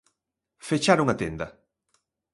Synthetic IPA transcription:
fet͡ʃaɾoŋat̪end̪ɐ

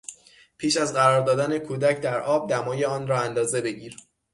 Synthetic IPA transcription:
pʰiːʃæzɢæɾɒːɾd̪ɒːd̪æne̞kʰuːd̪æcʰd̪æɾʔɒːb̚d̪æmɒːje̞ɒːnrɒːænd̪ɒːze̞be̞ɟiːɾ

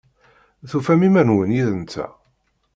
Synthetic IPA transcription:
θufæmimænwənjiðənt͡s̪ːæ̰

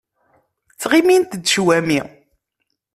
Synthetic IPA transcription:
t͡sːʁimint̪d̪ʃwæmi

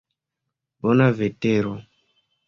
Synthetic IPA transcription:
bɔnaveteɾɔ

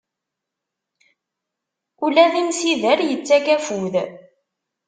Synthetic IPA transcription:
ulæðimsiðəɾjət͡sːækæfuð

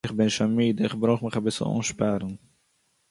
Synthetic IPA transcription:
ɪχbɪnʃamiːdɪχbɾoːχmɪχabɪsl̩ˠṵːnʃpaɾn̩

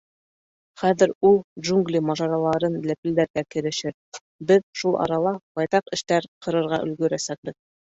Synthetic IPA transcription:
χæðɘ̆ɾulˠdʒuŋɡlʲimɑʒɑɾɑlˠɑɾɤnlæpɘ̆ld̪æɾɡækɘ̆ɾɘ̆ʃɘɾ | bɘðʃulˠʔɑ̰ɾɑlˠɑb̥ɑjt̪ɑqɘ̆ʃt̪æɾqʰɤ̆ɾɤ̆ɾʁɑ̰ʔɵ̰̆lɡɵ̆ɾæsæk̚bɘð

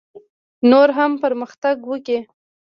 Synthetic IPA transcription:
noɾɦampəɾməxt̪aɡwəki

